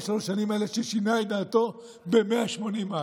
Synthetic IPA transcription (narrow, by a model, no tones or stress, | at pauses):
soʃanimaeleʃesinajd̪aːt̪o̞ | be̞meaʃmo̞nima